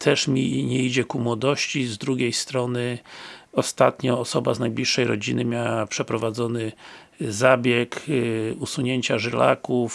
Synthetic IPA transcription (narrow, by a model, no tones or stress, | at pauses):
t̪ʰɛʂmʲiɲɛid͡ʑɛkumwɔd̪ɔɕt͡ɕizd̪ɾuɡʲejst̪ɾɔnɘɔst̪at̪ɲɔːsɔbaznajblʲiʂːɛjɾɔ̰d͡ʑinɘmʲjawapʂɛpɾɔvad̪zɔnɘ | zabʲjɛkusuɲeɲt͡ɕaʐɘla̰kuf